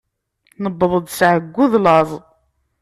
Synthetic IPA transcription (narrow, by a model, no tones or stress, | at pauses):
nəbːəðˤəd̪ˤsʕəɡʷːʊðlɑzˤ